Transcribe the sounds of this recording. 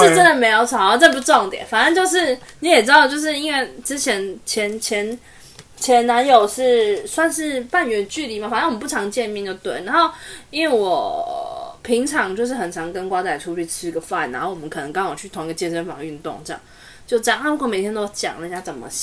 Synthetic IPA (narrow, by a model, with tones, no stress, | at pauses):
ʈ͡ʂo˥˩ʈ͡ʂə˦˥nd̪ə˨me˧ɪjo˨˩ʊt͡sʰa˨˧˥t͡sa˥˧p̬u˥˩ʈ͡ʂwɑ˥˩ŋt̪jɛ̰˨˩˦nfa˨˩nə˧˦nt͡ɕjo˥˧ʊʂɻ̩˥˩ni˨˥jɛ˨˩ʈ͡ʂɻ̩˥d̪ɑ˥˧ʊt͡ɕjo˥˧ʊʂ̬ɻ̩˥˩i˥nwe˥˩ɪʈ͡ʂɻ̩˥t͡ɕʰjɛ˧˥nt͡ɕʰjɛ˧˥nt͡ɕʰjɛ˧˥n | t͡ɕʰjɛ˧˥nna˧˥njo˨˩ʊʂɻ̩˥˩swa˥˧nʂɻ̩˥˧pa˥˩nɥɛ˧˥nt͡ɕy˥˧li˨˧˩ma˨˩fa˨n˦˥˦wə˦pu˥˩ɑ˧˥ŋt͡ɕjɛ˥˧nmjɛ˥˧nt͡ɕjo˥˩ʊt̪wə̰˨˩na˧˦nxo˥˩ʊi˥nwe˥˩ɪwɔ˨˩ | pʰi˧˥ŋʈ͡ʂʰɑ˧˥ŋt͡ɕjo˥˧ʊʂ̬ɻ̩˥˩xə˨˩nt͡sʰɑ˧˥ŋkə˥nkwa˥t͡sa˧˩ɪʈ͡ʂʰu˥t͡ɕʰy˥˩ʈ͡ʂʰɻ̩˥i˧ɡə˨fa̰˥˩nːa˧˥nxo˥˩ʊwɔ˨mə˦kʰɤ˨˩nɤ˧˦ŋkɑ˥ŋjo˨˩ʊt͡ɕʰy˥˩t̪ʰʊ˧˥ŋi˧˥ɡə˨t͡ɕjɛ˥˧ʂə˥nfɑ̰˨˩ŋy˥˧nt̪ʊ̰˥˧ŋʈ͡ʂə˥˧jɑ̰˥˨ŋ | t͡ɕjo˥˧ʊʈ͡ʂə˥˧jɑ˥˨ŋna˥pu˥kme˨˩ɪt̪ʰjɛ˥nt̪o˥ʊt͡ɕjɑ̰˨˩ŋn˧˥˧ja˥t͡sə˨˩mə̰˦